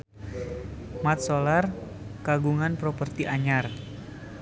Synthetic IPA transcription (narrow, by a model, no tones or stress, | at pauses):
mat̪̚solar | kaɡuŋanpɾopərt̪iʔaɲar